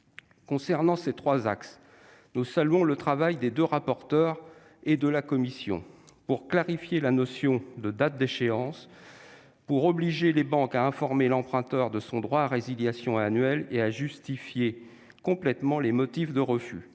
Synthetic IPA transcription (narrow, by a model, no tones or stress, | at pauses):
kɔ̃sɛʁnɑ̃set̪χwazaks | nusalɥɔ̃lət̪χavajd̪ed̪øʁapɔʁt̪œʁ | ed̪əlakɔmisjɔ̰̃puʁklaʁifjelanɔsjɔ̃d̪əd̪at̪̚d̪eʃeɑ̃s | puʁɔbliʒelebɑ̃kaɛ̃fɔʁmelɑ̃pχɛ̃t̪œʁd̪əsɔ̃d̪ʁwaːʁeziljasjɔ̃anɥɛleaʒyst̪ifje | kɔ̃plɛt̪mɑ̃lemɔt̪ifd̪əʁəfy̰